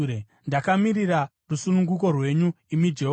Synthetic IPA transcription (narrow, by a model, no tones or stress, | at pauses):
e | ndakamiɾira | rusunuŋɡuko̞rwe̞ɲu | imid͡ʒe̞ɦ